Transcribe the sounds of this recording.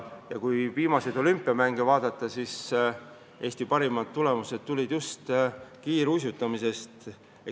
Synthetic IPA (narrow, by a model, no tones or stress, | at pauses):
jɑkujviːmɑsejd̪o̞lympːˑiɑmæŋɡ̥evɑːd̪̥ɑt̪ːˑɑsis | ʔe̞ːst̪ipɑɾimɑt̪ːule̞muse̞t̪̚t̪ːulʲid̪̥just̪kiːɾus̬jut̪ːˑɑmise̞st̪ | e